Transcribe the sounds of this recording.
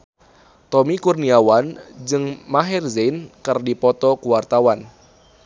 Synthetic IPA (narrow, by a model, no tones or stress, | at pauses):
t̪ɔmikurniawand͡ʒɨŋmaɦɛrzenkɨrdipɔt̪ɔkuwart̪awan